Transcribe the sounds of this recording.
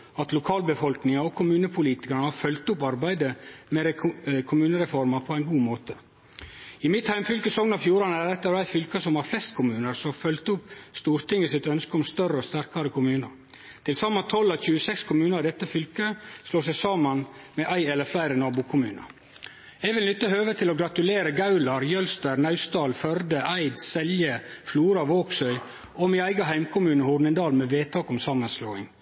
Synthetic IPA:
ɑt̪lʊkʰɑːlbəfɔlknɪŋɑɔkʰʊmʉːnəpʰʊliːt̪ɪ̥kɑɾɳəhɑɾfœlt̪ʊpɑɾbæɪd̪əmɛɾɛkʰʊmʉːnəɾɛfɔɾmɑpʰɔæɪnɡuːmoːt̪ʰə | ɪmɪt̪hæɪmfʏlkəsɔŋnɑʋfjuːɾɑnəæɾd̪ɛt̪ːəɾæɪfʏlkəsɔmhɑɾflɛst̪kʰʊmʉːnəɾsɔmɑfœlt̪ʊpst̪uːɾt̪ɪŋːəsɪt̪œnskəɔmst̪œrəɔst̪æɾkɑɾəkʰʊmʉːnəɾ | t̪ʰɪlsɑmːɑt̪ʰɔlːɑçʉːəsɛkskʰʊmʉːnəɾɪd̪ɛt̪ːəfʏlkəsloːsæɪsɑːmənmɛʔæɪɛləɾflæɪɾənɑːbʊkʰʊmʉ̰ːnə̰ | ɛɡʋɪlnʏt̪ːəhøːʋət̪ʰɪlɔɡɾɑt̪ʉleːɾəɡɑʉlɑɾjœlst̪əɾnɑʉst̪ɑːlfœɾd̪əʔæɪd̪sɛljəfluːɾɑʋoːksœʏ | ɔmiæɪɡɑɦæɪmkʰʊmʉːnəhʊɖɳɪnd̪ɑːlmɛʋeːt̪ʰɑːkɔmsɑmənsloːɪ̰ŋ

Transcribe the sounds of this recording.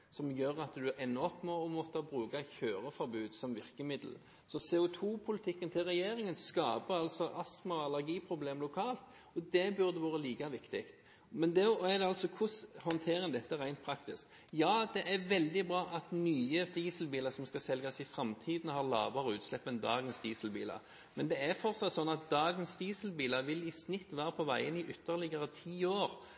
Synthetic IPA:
sɔmjøːɾɑt̪d̪ʉʔɛnːɔpːmɔɔmɔt̪ːəbɾʉːkɑçøːɾəfɔɾbʉːd̪sɔmʋɪʁkəmɪd̪l̩ | sɔsɛːʊt̪ʰuːpʰʊlɪt̪ʰɪkːənt̪ʰɪlʁɛjeːɾɪŋənskɑːpəɑlt̪sɔʔɑsmɑɑlæɾɡiːpʰɾʊbleːmlʊkʰɑːlt̪ | ɔd̪ɛbʉɾd̪əʋɑːɾəliːkɑʋɪkt̪ɪkt̪ | mɛnd̪ɛɔæd̪ɛɑlsɔkʰʊshɔnt̪ʰeːɾəŋd̪ɛt̪ːəʁæɪnt̪pʰɾɑkt̪ɪsk | jɑːd̪ɛʔæɾʋɛld̪ɪbɾɑːʔɑt̪nyːəd̪iːsəlbiːlɑsɔmskɑsɛlɡɑsɪfɾɑmt̪ʰiːd̪nəhɑʁlɑ̰ːʋəɾəʉːt̪slɛpːənd̪ɑːɡənsd̪iːsəlbḭːlɑ̰ | mɛnd̪ɛæɾfɔɾtsɑt̪sɔnːɑt̪̚d̪ɑːɡənsd̪iːsəl̩biːlɑʋɪlɪsnɪt̪ːʋæːɾəpʰɔʋæɪənɪʔʏt̪ʰːəɾlɪɡəʁət̪ʰiːoːɾ

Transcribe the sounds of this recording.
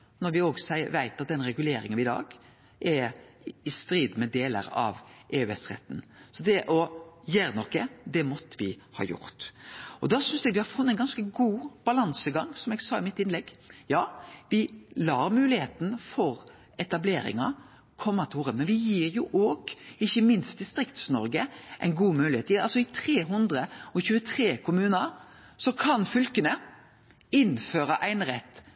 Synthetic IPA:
nɔɾʋɪoːɡsæɪəʋæɪt̪ɑt̪̚d̪ɛnɾɛɡʉleːɾɪ̰ŋənɪd̪ɑ̰ːɡ | ʔɛ | ɪst̪ɾiːd̪mɛd̪eːlə̰ɾɑ̰ʋʔeːʉɛsɾɛ̰t̪ːn̩sɔd̪ɛʔɔjæːɾnɔkːəd̪ɛmɔt̪ːəʋɪ | hɑ̰ːjʊ̰ɾt̪ɔd̪ɑːsʏnsd̪ɛɡʋɪhɑɾfʊnːæɪnɡɑnskəɡuːb̥ɑlɑnsəɡɑŋːsɔmɛɡsɑːɪmɪt̪ːɪnlɛɡjɑːʋɪlɑːɾmʉːlɪheːt̪n̩fɔɾ | ɛt̪ɑbleːɾɪ̰ŋɑ̰ | kʰɔmːɑt̪ʰuːɾəmɛnʋɪjiːɾjʊʔoːɡ̥ɪçːəmɪnst̪̚d̪ɪst̪ɾɪkt̪snɔ̰ɾɡəʔæ̰ɪnɡuːmʉːlɪheːt̪ɑlsɔɪt̪ʰɾeːɦʉnd̪ɾəɔçʉːət̪ʰɾeːkʰʊmʉːnəɾ | sɔkʰɑnfʏlkənə | ɪnføːɾəʔæɪnɾɛt̪ː

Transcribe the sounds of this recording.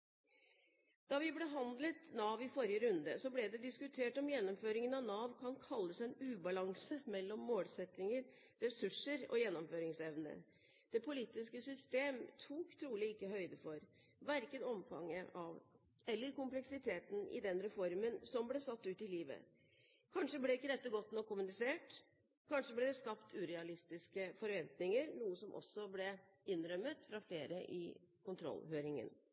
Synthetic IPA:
d̪̥ɑʋɪblɛɦɑnd̪lət̪nɑːʋɪfɔɾjəɾʉnd̪ə̰sɔblɛd̪ɛd̪ɪskʉt̪ʰeːʈɔmjɛnːɔmføːɾɪŋənɑʋnɑːʋkʰɑnkʰɑlːəsɛnʉːbɑlɑŋsəmɛlːɔmːoːlsɛt̪ːɪŋəɾ | ɾɛsʉʂəɾɔ̰jɛnːɔmføːɾɪŋsɛʋnə̰ | d̪̥ɛpʰʊliːt̪ɪskəsʏst̪eːmt̪ʰuːkt̪ʰɾuːlɪɪkːəhœʏd̪əfɔɾ | ʋæɾkənɔmfɑ̰ŋːəʔɑʋ | ɛlːəɾkʊmplɛksɪt̪ʰeːt̪n̩ɪ̰d̪ɛnɾɛfɔɾmənsɔmblɛsɑt̪ːʉːt̪ɪliːʋə̰ | kʰɑnʂəblɛɪkːəd̪ɛt̪ːəɡɔt̪ːnɔkːʊmʉnɪseːʈ | kʰɑnʂəblɛd̪ɛskɑpt̪ʰʉːɾɛɑlɪst̪ɪskəfɔɾʋɛnt̪nɪŋəɾnuːəsɔmʔɔ̰sːɔblɛ | ɪnɾœmːət̪fɾɑfleːɾəʔɪ̰kʰʊnt̪ʰɾɔ̰lːhøːɾɪŋə̰n

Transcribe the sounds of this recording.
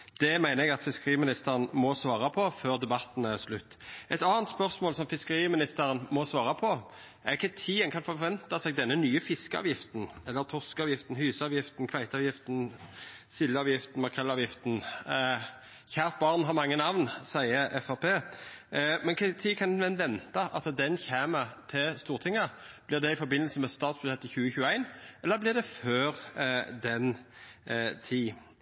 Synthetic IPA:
d̪̥ɛmæɪnəɛɡɑt̪fɪskəʁiːmɪnɪst̪əʁənmɔsʋɑːʁɑpʰɔføːʁd̪ɛbɑt̪ːn̩æʁslʉt̪ːɛt̪ɑːənt̪spœʁsmoːlsɔmfɪskəɾiːmɪnɪst̪əɾənmɔsʋɑːʁɑpʰɔ | æʁɪçət̪ʰiːənkʰɑnfɔʁʋɛnt̪ɑsɛːɡ̚d̪ɛnːənyːəfɪskəɑ̰ːʋjɪft̪n̩ɛlːəʁt̪ʰɔʁskɑːʋjɪft̪n̩hʉːsɑːʋjɪft̪n̩kʰʋæɪt̪ɑːʋjɪft̪n̩sɪljəɑːʋjɪft̪n̩mɑkʰɛlːɑːʋjɪft̪n̩ | çæːʁt̪̚bɑːʁnɦɑʁmɑŋːənɑʋnsæɪəʔɛfæpʰeː | mɛnkʰɑt̪ʰiːkʰɑnnʋɛnʋɛnt̪ɑʔɑt̪d̪ɛnçæːmət̪ʰɪlst̪uːʁt̪ʰɪŋːəb̥lɪʁd̪ɛɪfɔɾbɪnːlsəmɛst̪ɑːt̪sb̥ʉɛt̪ːəçʉːəçʉːəæɪnɛlːəʁblɪʁd̪ɛføːʁd̪ɛn | t̪ʰiː

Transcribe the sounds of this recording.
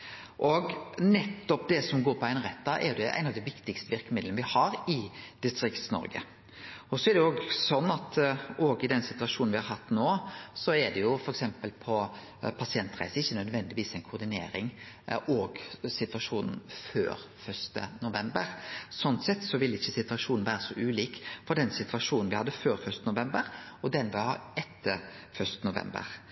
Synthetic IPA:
ʔɔɡnɛt̪ːɔp̚d̪ɛsɔmɡoːɾpʰɔæɪnɾɛt̪̚ːd̪ɑʔɛ̰ɾjʊd̪ɛʔæ̰ɪnɑʋd̪ɛɪʋɪkt̪ɪkst̪əʋɪɾkəmɪd̪lənʋɪhɑɾɪd̪̥ɪst̪ɾɪkt̪snɔ̰ɾɡə̰ | ɔsɔɛɾd̪ɛoːɡsɔnːɑt̪oːɡɪd̪ɛnsɪt̪ʉɑʂuːnʋɪhɑɾɦɑt̪ːnoːsɔɛd̪ɛjʊfɔɾɛksɛmpəlpʰɔ | pʰɑsɪɛnt̪ʁæ̰ɪsəɪçːənœd̪ʋɛnd̪ɪʋiːsɛɪnkʰʊɾd̪ɪnḛːɾɪŋ | ɔɡsɪt̪ʋɑʂuːnn̩fø̰ːɾ | fœʂt̪ə̰nʊʋɛmbəɾsɔnt̪sɛt̪ːsɔʋɪlɪçːəsɪt̪ʋɑʂuːnn̩ʋæːɾəsɔʔʉːliːkfɔɖ̪ɛnsɪt̪ʋɑʂuːnn̩ʋɪhɑd̪ːəføːɾfœʂt̪ənʊʋɛmbəɾɔd̪ɛnʋɪhɑ̰ːɾɛt̪ʰːəɾfœʂt̪ənʊʋɛ̰mbə̰ɾ

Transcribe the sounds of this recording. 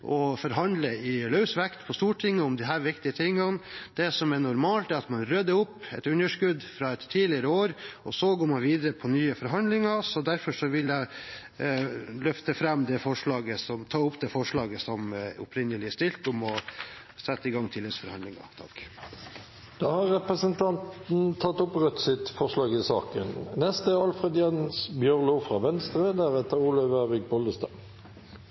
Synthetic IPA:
ʔɔfɔɾɦɑnd̪ləɪlœʉsʋækt̪pʰɔst̪uːʈʰɪŋːəʊmd̪ɪɦæːɾʋɪkt̪ɪət̪ʰɪŋːɑnd̪̥ɛsɔmɛɳʊɾmɑːlt̪ɛɾɑt̪mɑnɾœd̪ːəʊpːɛ̰t̪ʉnəʂkʉd̪fɾɑɛt̪ʰːiːlɪəɾəoːɾɔsɔɡoːɾmɑnʋiːd̪əɾəpʰɔnyːəfɔɾɦɑnd̪lɪŋɑsɔd̪æɾfɔʂɔʋɪljæɪ | lœft̪əfɾɛmːd̪ɛfɔʂɭɑːɡəsɔmt̪ʰɑːʊpːd̪ɛfɔʂɭɑːɡəsɔmʊ̰pʰɾɪnːəlɪəst̪ɪlt̪ʊmɔ | sɛt̪ːəɪɡɑŋːt̪ʰɪlɛsfɔɾhɑnd̪lɪŋɑ̰ɾt̪ʰɑk | d̪̥ɑːhɑɾʁɛpɾəsənt̪ʰɑnt̪n̩t̪ʰɑt̪ːʊpʁœt̪sɪt̪fɔʁʂlɑːɡɪsɑːkə̰nnɛst̪əɑlfʁɛd̪jɛnsbjœʁlufɾɑʋɛnst̪ɾəd̪æɾɛt̪əɾuːləʋəbɪk̚bɔld̪əst̪ɑ

